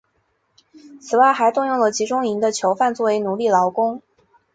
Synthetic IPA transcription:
t͡sʰɹ̩˨˩wa˥˩ɪxa˧˥ɪt̪ʊ˥˧ŋjʊ˥˩ŋlə˩t͡ɕi˧˥ʈ͡ʂʊ˥ŋi˧˥nd̪ə˧t͡ɕʰjo˧˥ʊfa˥˧nt͡swɔ˥˩we˧˥ɪnu˨˧˥li˥˩lɑ˧˥ʊkʊ˥ŋ

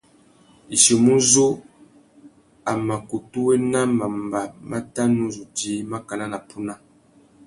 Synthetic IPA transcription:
i˨ʃi˨mu˦zo˦ | a˨ma˨ko˨tu˦we˦na˦ma˨mba˨mʔa˦ta˦nu˦zu˨diː˨˦ma˦ka˨la˦na˨pu˦na˦

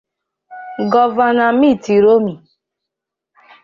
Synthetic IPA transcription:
ɡɔ˨va˨na˨mi˦˨ti˨ɾo˦mi˨

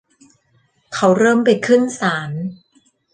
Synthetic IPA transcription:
kʰa˦˥wɾɤː˥˩mpa˧jkʰɯ˥˩nsaː˩˦n

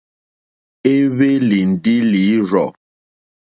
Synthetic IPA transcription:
e˦βe˦li˨n̩˨di˦li˨˦ɾɔ˨

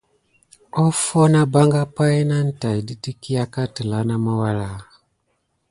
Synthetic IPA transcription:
ɔ˦fɔ˦na˦ba˦ŋɡa˦pa˦i˦na˦n̩˨ta˨jdi˦ti˦ki˦a˦ka˦ti˨la˨˦na˦ma˦wa˦la˨

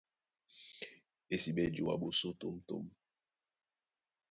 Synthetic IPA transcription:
e˨si˨ɓɛ˦d͡ʒo˨wa̰˨ɓo˨so˦to˦mto̰˦m

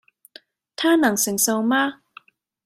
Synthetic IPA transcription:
t̪ʰaː˥nɐ˨˩ŋsɪ˨˩ŋsɐ˧wmaː˥

